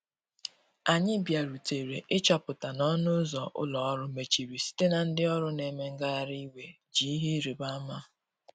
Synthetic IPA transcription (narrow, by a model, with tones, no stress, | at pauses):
a˨ɲɪ˦bja˨ɾu˨te˨ɾe˨ʔɪ˦t͡ʃɔ˨pʊ˨ta˨nɔ˦nʊ˦zɔ˨ʔʊ̰˦lɔ˨ɔ˦ɾʊ˦me˨t͡ʃi˨ɾi˨si̥˦te˦na˨n̩˦dɪ˦ɔ˦ɾʊ˦ne˨me˦ŋ̩˦ɡa˦a˦ɾi˦we˨ | d͡ʒi˨i˦ɦi˦ɾi˨ba˦ma˦